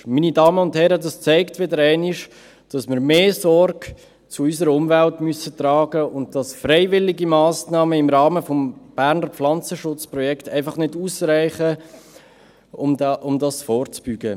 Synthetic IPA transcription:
minidɑːməʊnthɛɾədɑst͡sæɪktʋɪdəɾæɪniʃ | d̥ɑsmɪɾmeːsɔrɡ̥ | t͡sʊys̬əɾəʊmvæltmysətrɑːɡəʊnt̚d̥ɑsfrɛɪvɪlɪɡimɑːsnɑːməɪmɾɑːməfɔmb̥æːɾnəɾflɑnt͡səʃʊt͡spɾɔjɛktæɪfɑχnɪduːsræɪχə | ʊmʊmdɑsfɔːɾt͡sb̥yɡə

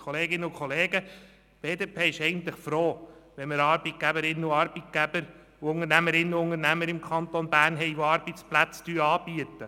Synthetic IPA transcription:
kʰɔleːɡɪnːəukʰɔleːɡə | b̥eːd̪epʰeːɪʃɛjɡən̩t̪lɪχfɾoːʋɛnməɾɑːɾbit̚ɡ̥æbəɾɪnːəuɑɾb̥it̪̚ɡ̥æbəɾ | uʊŋəɾnæməɾɪnːəuʊŋəɾnæməɾɪmkʰɑnt̪onbæːɾnɦɛɪʋoɑɾbit͡splæt͡st̪yːɾɑːb̥iət̪ːə

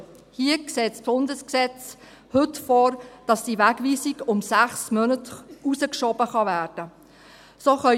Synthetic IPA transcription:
hiːəkseːtsb̥ʊndəsksɛt͡s | hʏtfɔːɾd̥ɑsd̥iʋæɡʋiːsiɡʊmsæχsmœnətusəkʃɔbəχɑvæːrd̥ə | soːχœ

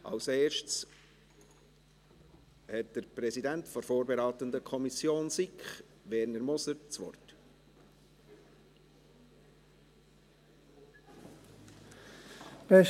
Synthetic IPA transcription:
ʔɑ̰wseːrʃts | hɛtd̥əɾprɛsidæntfɔɾfoːɾbɛɾaːt̪əndəkʰɔmisjoːnsikχ | ʋɛːɾnəɾmɔsəɾt͡sʋɔ̰rt | pɛ

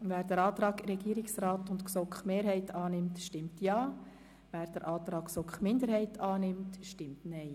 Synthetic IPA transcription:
ʋæːɾd̥ɛɾɑːt̪ɾɑːkɾɛɡiːɾɪksraːtʊntksɔkχmeːɾhɛɪtʰɑːnɪmtʃtɪmtjɑː | ʋæːɾd̥əɾʔɑːt̪ɾɑːksɔkχmɪnd̪əɾhɛɪtʰɑːnɪmtʃtɪmtnɛɪ

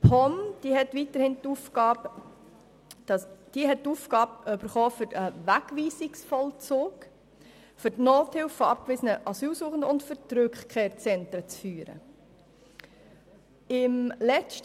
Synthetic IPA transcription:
pʰɔmd̥iɦɛtʋitəɾhɪntufɡɑːb | ɑd̥iəɦɛt̚tuːfɡ̥ɑːbyb̥əɾχɔːfʏɾəʋækʋiːsɪksfɔlt͡soːk | fʏɾtnoːthɪlfːfɔɑp̚kʋɪsənəʔɑsyːlsuːχən̩dəʊntfʏɾtɾʏkχkʰeːɾt͡sɛntɾət͡sfyːɾə̰ | ɪmlɛst

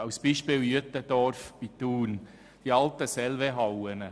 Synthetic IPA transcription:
ɑwsb̥iːʃpɪːljøt̪ːəd̥̪ɔɾfb̥it̪uːn | d̥iɑlt̪əsɛlveɦɑwənə

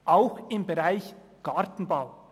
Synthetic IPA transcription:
ʔaʊxɪmbeɾaɪç | ɡ̥ɑɾtn̩baʊ

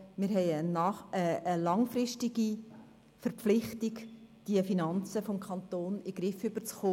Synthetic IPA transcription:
mɪɾɦɛɪənɑəəlɑŋfɾɪʃtɪɡ̥i | fəɾpp͡flɪχtɪɡd̥iəfinɑnt͡səfomkʰɑnt̪oːnɪɡ̥ɾɪfʏb̥ət͡sχoː

